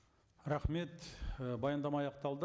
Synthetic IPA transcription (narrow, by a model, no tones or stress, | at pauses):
ɾɑχme̞t̪bɑjɑnd̪ɑmɑjɑqt̪ɑlˠd̪ə